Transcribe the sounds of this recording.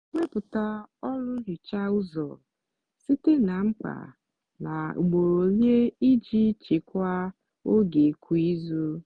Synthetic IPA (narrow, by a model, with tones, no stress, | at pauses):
ŋʷe˦pʊ˨ta˦ɔ˦lʊ˦ɾɪ˨t͡ʃa˦ʊ˦zɔ̰˨ | si˦te˦na˨ŋ͡m̩˦k͡pa̰˨ | na˨ɡ͡bo˨o˨lje˦i˦d͡ʒi˦t͡ʃe˨kʷa˦ | o˦ɡe˨kʰʷu˦i˦zo˦